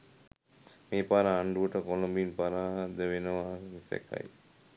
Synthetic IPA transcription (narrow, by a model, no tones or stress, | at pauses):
meːpaɾaːɳɖuəʈəkolumbinpaɾaːɦɐd̪əʋenɐʋanisḛkɐ̰j